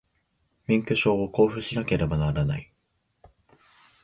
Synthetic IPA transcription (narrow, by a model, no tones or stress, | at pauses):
mʲĩŋkɯ̟ɕo̞ːoko̞ːɸɯ̟ɕinake̞ɾe̞banaɾana̰i